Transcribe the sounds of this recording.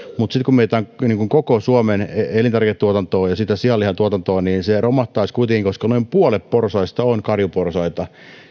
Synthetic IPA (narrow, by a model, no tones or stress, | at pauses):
mut̪sit̪kummeit̪æːˑŋniːŋkuŋkokosuomeneelint̪ærket̪t̪uot̪ɑnt̪oːjɑsit̪æsiɑlːihɑt̪uot̪ɑnt̪oːniːnseromɑht̪ːˑɑiskuit̪eŋkiŋkoskɑnoimpuolepporsɑist̪ɑonkɑrjuporsɑit̪ɑ